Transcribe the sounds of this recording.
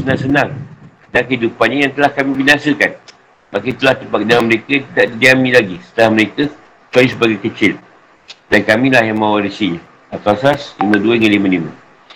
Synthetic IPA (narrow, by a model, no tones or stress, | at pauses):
sənãŋsənãŋ | dakəidupanɲajaŋt̪əlahkamĩbinasəkan | makət̪əlaht̪əmpak̚daŋanməɾekət̪idaʔdidiamĩlaɡisə̥t̪əlahməɾekə | t͡ʃalisəbaɡajkət͡ʃɪl | dankamĩlahjaŋmawaɾisiɲa | at̪asaslimə̃duaəŋalimãlimə̃